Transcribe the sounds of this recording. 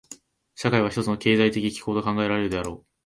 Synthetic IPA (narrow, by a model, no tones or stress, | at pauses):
ɕakaiβaçit̪ot͡sɨno̞ke̞ːzait̪e̞kʲikʲi̥koːt̪okãŋɡae̞ɾaɾe̞ɾɯ̟d̪e̞aɾo̞̰ː